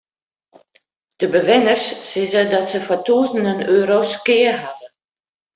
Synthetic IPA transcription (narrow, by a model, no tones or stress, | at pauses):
d̥əbəʋɪnərsːɪzədɔtsəfɔtuəzəndənøːɾoskɪərɦadə